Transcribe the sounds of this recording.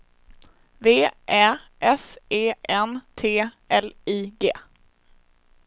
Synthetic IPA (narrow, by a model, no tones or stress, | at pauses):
veːʔæːʔɛseːʔɛnt̪ʰeː | ɛliːɡeː